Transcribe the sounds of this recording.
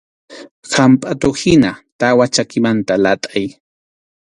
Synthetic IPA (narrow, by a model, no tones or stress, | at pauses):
hampʼat̪ohɪnat̪awat͡ʃakɪmant̪alat̪ʼaj